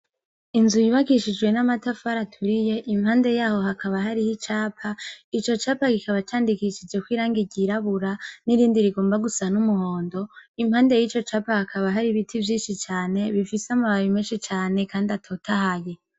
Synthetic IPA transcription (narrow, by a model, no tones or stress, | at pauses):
inzujiβaɡiʃid͡ʒɡwe̞namatafaɾatʰuɾije̞ʔimhaːnde̞jaːho̞ɦakʰaβaɦaɾihit͡ʃaːpʰait͡ʃo̞t͡ʃaːpaɡikaβat͡ʃaːndikiʃid͡ʒe̞kwiːɾaːŋɡiɟiɾaβuɾaniɾiːndiɾiɡo̞ːmbaɡusanumuho̞ːndo̞imhaːnde̞jiːt͡ʃo̞t͡ʃaːpahakʰaβaɦaɾiβitʰivjiːnʃit͡ʃaːne̞βifiseamaβaβimeːnʃit͡ʃaːne̞kaːndiatʰo̞ːtʰahaje̞